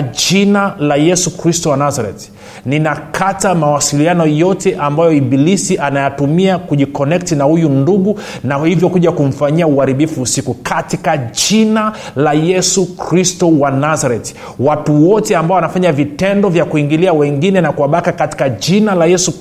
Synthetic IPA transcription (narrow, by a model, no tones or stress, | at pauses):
ʄinalajɛsukɾistɔwanazaɾɛ̰t | ninakʰatamawasilianɔjɔtɛʔambajɔiɓilisiʔanajatumiakuʄikɔnɛk̚tinahujunduɡu | nahivjɔkuʄakum̩faɲiauaɾiɓifuːsikukʰatikaʄinalajɛsukɾistɔwanazaɾɛt | watuwɔtɛambaɔwanafaɲavitɛndɔvjakuiŋɡiliawɛŋɡinɛnakuwaɓakakati̥kaʄinalajɛsu